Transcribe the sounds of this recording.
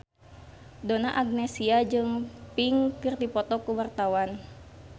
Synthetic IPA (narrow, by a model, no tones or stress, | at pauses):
donaʔaɡ̚nɛsiad͡ʒɨŋpiŋkirt̪ipɔt̪ɔkuwart̪awan